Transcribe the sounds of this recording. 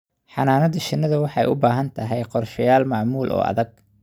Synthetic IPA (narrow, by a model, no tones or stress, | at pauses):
ħɑnaːnɐðɐt͡ʃɪnːɐðɐwɑħɑjʔʊbaːɦɐnt̪ʰɐɦɛjqɔrʃɐjaːlmɑʕmuːlʔɔ̰ːʔɐ̰ðɐɡ̚